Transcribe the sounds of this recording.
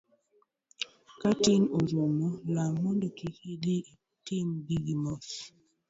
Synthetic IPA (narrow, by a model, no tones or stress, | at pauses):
katinozomɔlamondokikidei | timbiɡimɔs